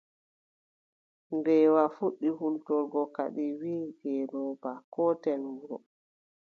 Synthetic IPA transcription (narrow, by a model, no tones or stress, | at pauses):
ndɛwafuɗːihultɔɾɡɔka̰ɗiwiːɡɛnɔbakɔtɛnwuɾɔ